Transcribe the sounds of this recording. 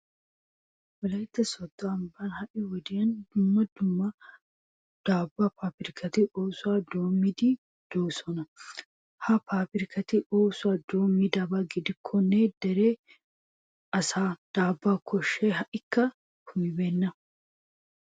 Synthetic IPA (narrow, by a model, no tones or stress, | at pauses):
wɐlɐjɪt̪ːɐsɔd̪ːɐɐmbɐnhɐʔɪwɔd̪ɪjɐnd̪ʊmːɐd̪ʊmːɐ | d̪̥aːbːapaːpɪɾɪkʰɐt̪ɪʔoːsʊaːd̪oːmːɪd̪i | d̪̥oːsɔnɐ | hɐpaːpɪɾɪkɐt̪ɪoːsʊaːd̪oːmːɪd̪ɐbɐɡɪd̪ɪkʰːɔned̪̥ɛɾeː | ɐsaːd̪̥aːbːaːkʰɔʃːeːɦɐʔɪkːɐ | hʊmɪbɛnːɐ